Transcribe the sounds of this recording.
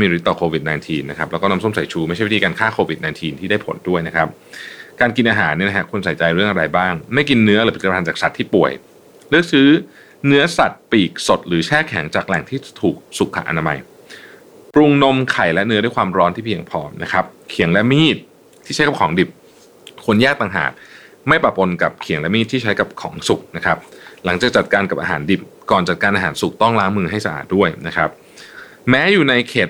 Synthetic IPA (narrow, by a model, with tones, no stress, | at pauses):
a˥˩jmiː˧ɾi˦˥t̪ːɔː˨˩kʰoː˧wi˨˩t̪̚naː˧nt̪ʰiː˧nːa˦˥kʰa˦p̚lɛ˦˥kɔː˥˩na˧so˥˩msa˨˩˦jt͡ɕʰuː˧˦ma˥˩jʰa˥˩˧iː˥i˧kːnkʰaː˥˩kʰoː˧wi˨˩t̪̚naː˧nt̪ʰiː˧nt̪ʰiː˥˩daː˥˩jpʰo̰˨˩˦ndu˥˩əjna˦˥kʰa˦˥p̚kaː˧nki˧nʔaː˧ɦaː˩˦nːi˥˩na˦˥a˦˥kʰu˧nsa˨˩˦jt͡ɕa˧jɾɯ˥˩əŋʔa˧ɾa˧jbaː˥˩ŋma˥˩jki˧nːɯ˦˥ɐɾɯː˨˩˦p̪ʰːpʰa˧nt͡ɕaː˨˩k̚sa˨˩t̪ʰːiː˥˩pu˨˩əj | lɯ˥˩ək̚sɯː˦˥ | nɯ˦˥ɐsa˨˩t̪̚piː˨˩k̚so˨˩t̪̚ɾɯː˩˦t͡ɕʰɛː˥˩kʰɛ˩˦ŋt͡ɕaː˨˩k̚lɛ˨˩ŋt̪ʰiː˥˩t̪ʰuː˨˩k̚su˨˩kʰːa̰˨˩ʔa̰˧naː˧ma̰˧j | pɾu˧ŋno˧mkʰa˨˩jlɛ˦˥ʔnɯ˦˥da˥˩jkwaː˧mɾɔː˦˥nt̪ʰiː˥˩pʰi˧əŋpʰɔː˧na̰˦˥kʰa˦˥p̚kʰi˨˩əŋlɛ˦˥ʔmiː˥˩t̪̚ʰː | iː˥˩a˦˥jka˨˩kʰɔː˩˦ŋdi˨˩p̚ | kʰu˧ənjaː˥˩k̚t̪a˨ŋɦa̰ː˨˩t̪̚ | ma˥˩jpɾa˨˩po˧nka˨˩p̚kʰi˨˩˦ŋlɛ˦˥miː˥˩t̪ʰːiː˥˩t͡ɕʰa˦˥jka˨˩p̚kʰɔ̰ː˩˦ŋsu˨˩k̚na˦˥kʰɾa˦˥p̚la˩˦ŋt͡ɕaː˨˩k̚t͡ɕa˨˩t̪̚kaː˧nka˨˩p̚ʔa̰ː˧ɦa̰ː˩˦ndi˨˩p̚kɔː˨˩nt͡ɕa˨˩t̪̚kaː˧nʔaː˧ɦaː˩˦nsu˨˩k̚t̪ɔ˥˩ŋlaː˦˥ŋmɯː˧ɦa˥˩jsa˧ʔa̰ː˨˩t̪̚du˥˩əjna˦˥kʰɾa˦˥p̚ | mɛː˦˥juː˨˩na˧jkʰeː˨˩t̪̚